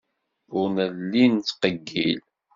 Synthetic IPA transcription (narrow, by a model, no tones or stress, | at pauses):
ʊɾnəlːint͡sːqəɡːil